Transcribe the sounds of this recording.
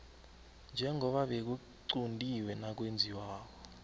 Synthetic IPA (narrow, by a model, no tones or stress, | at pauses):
nd͡ʒʱɛŋʱɔɓaɓek̬u | ǀundʱiwɛnak̬wend͡zʱiwaːɓɔ